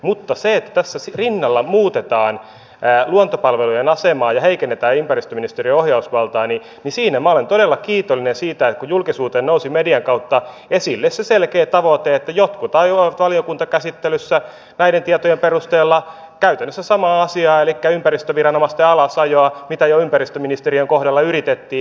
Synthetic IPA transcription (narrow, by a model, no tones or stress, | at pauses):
mut̪ːɑseet̪ːæ̥t̪æsːæsirinːɑlːɑmuːt̪et̪ɑːn | æluont̪opɑlʋelujenɑsemɑːjɑheikenːet̪æːympærist̪øminist̪erieohjɑusʋɑlt̪ɑːni | nisiːnæmæolent̪odelːɑkiːt̪olːinensiːt̪æekujulkisuːt̪eːnnousimediɑŋkɑut̪ːɑ | esilːesseselkeːt̪ɑʋot̪eet̪ːæjot̪kut̪ɑioʋɑt̪ʋɑliokunt̪ɑkæsit̪ːelysːæ | næident̪iɑt̪ojemperust̪eːlːɑ | kæyt̪ænːøsːæsɑmɑːɑsiɑːelikːæympærist̪øʋirɑnomɑst̪eɑlɑsɑjoɑmit̪æjoympærist̪øminist̪erieŋkohɾɑlːɑyrit̪et̪ːiː